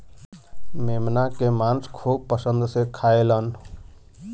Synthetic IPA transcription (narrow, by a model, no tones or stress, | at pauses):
memnakemãnskʰub̚pəsənd̪sekʰaelən